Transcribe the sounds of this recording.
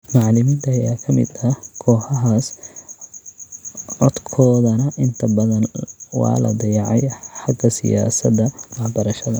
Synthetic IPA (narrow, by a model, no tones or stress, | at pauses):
mɑʕlɪmiːnt̪ʰɐːjaːkʰɐmɪ̰d̪ɐkʰɔːħɐɦaːs | ɔd̪kʰɔːðɐnɐʔɪnt̪ʰɐbɐðɐnwɑ̰ːlɐ̰d̪ɐjɑʕɑjħɑɡɐsɪ̰ja̰ːsɐd̪ɐwɑħbɐɾɐʃɐðɐ